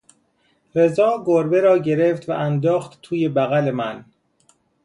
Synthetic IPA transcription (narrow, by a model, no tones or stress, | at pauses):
ɾe̞zɒːɡoɾbeɾɒːɟe̞ɾeft̪væʔænd̪ɒːxt̪t̪ʰuːje̞bæɣælemæn